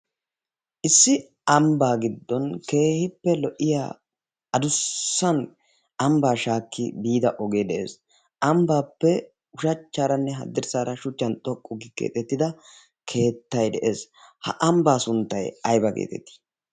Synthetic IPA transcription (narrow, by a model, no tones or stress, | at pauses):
ʔɪsːɪ | ɐmbaːɡɪd̪ːɔnke̞ːhɪpːɛlɔʔɪja̰ː | ɐd̪ʊsːɐn | ʔɐmbaːʃaːkːɪ̰biːd̪ɐʔɔɡe̞ːd̪ɛʔḛːs | ʔɐmbaːpːɛ | ʊʃɐt͡ʃːaːɾɐnːɛɦɐ̰d̪ːɪɾsaːɾɐʃʊt͡ʃːɐnt̪ʼɔkʼːʊɡɪkḛːt̪ɛt̪ːɪd̪ɐ | kʰe̞ːt̪ːɐjd̪ɛʔe̞ːs | hɐ̰ʔɐmbaːsʊnt̪ːɐjɐjbɐkḛːt̪ɛ̰t̪ːi̥